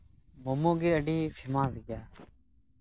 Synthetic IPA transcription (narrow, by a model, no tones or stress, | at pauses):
momõːɡeːəɖiːfʰɪmãːzɡjaː